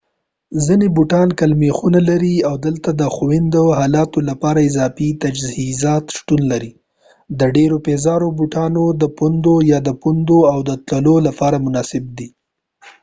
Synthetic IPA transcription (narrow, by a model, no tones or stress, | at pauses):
zinebuʈɑnkalmexunalaɾiawd̪əlt̪ad̪əxowɪnd̪oɦɑlɑt̪olapɑɾaɪzɑfit̪ad͡ʒhizɑt̪ʃʈunlaɾi | d̪əɖeɾopezɑɾobuʈɑnod̪əpund̪ojɑd̪əpund̪oawd̪ət̪ləlolapɑɾamʊnɑsɪb̚d̪i